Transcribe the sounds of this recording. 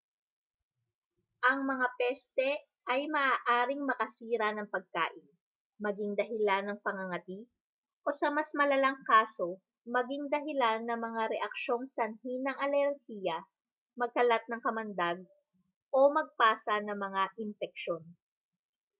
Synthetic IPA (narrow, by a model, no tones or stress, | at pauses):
ʔɐŋmɐŋapɛst̪ɛ | ʔɐjmɐʔaːʔaːɾɪŋmɐkɐsiːɾɐnɐŋpɐɡ̚ka̰ːʔɪn | mɐɡɪŋd̪ɐɦɪlanɐŋpɐŋɐŋɐt̪i | ʔo̞sɐmɐsmɐlɐlɐŋkaːso | mɐɡɪŋd̪ɐɦɪlanːɐŋmɐŋaɾɛʔɐk̚ʃo̞ŋsɐnhinɐŋɐlɛɾhijɐ | mɐɡ̚kɐlat̪̚nɐŋkɐmɐnd̪aɡ̚ | ʔo̞mɐɡ̚paːsɐnɐŋmɐŋaʔɪnfɛk̚ʃon